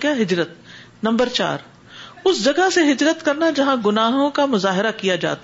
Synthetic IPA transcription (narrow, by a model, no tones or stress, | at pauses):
kaɦɪd͡ʒɾət̪̚ | nɐ̃mbəɾt͡ʃa̰ːɾ | ʊsd͡ʒɐɡəɦseɦɪd͡ʒɾət̪kɐɾnad͡ʒɐɦãɡʊnaːɦõkamʊzaːɦɪɾakijad͡ʒa̰ːt̪a